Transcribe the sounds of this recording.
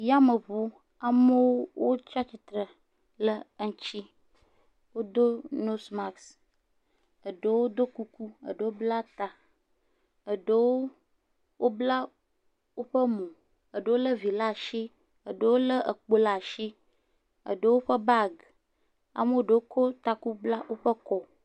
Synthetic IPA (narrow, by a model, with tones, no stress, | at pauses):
ja˦mə˨βu˦ | a˨mə˦wo˦wo˦t͡ʃa˦t͡ɕi˨t̪ɾə˨ | lə˦ŋ̩˦t͡ɕi˦ | wo˦d̪o˦no˦sma˨ks | ə˨ɖə˨wo˦d̪o˦ku˦ku˦ə̰˨ɖə˨wo˦bla˦t̪a˨ | ə˨ɖə˦wo˦ | wʔo˦bla˦ | wo˦ɸə˦mũ˨ | ə˨ɖə˨wo˦lə˦vi˨la˦˨ʃi˦ | ə˨ɖə˦˨wo˦lə˦ə˨k͡po˦la˨ʃi˦ | ə̰˨ɖə˦wo˦ɸə˦ba˦˨ɡ | a̰˨mə˦wo˦˨ɖə˨wo˦kʰo˦t̪a˦ku˦bla˦wo˦ɸə˦kɔ˦